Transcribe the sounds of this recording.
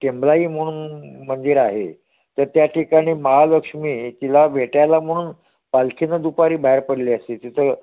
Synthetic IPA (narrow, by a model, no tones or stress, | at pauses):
ʈemblaiːm̤əɽ̃uːnmənd̪iɾaɦḛ | t̪əɾt̪jaʈʰikaɽ̃iːməɦaləkʂmiːt̪ilaʋʱeʈjalam̤əɽ̃uːn | palkʰinəd̪upaɾiːbaɦeɾpəɽliːəset̪it̪ʰə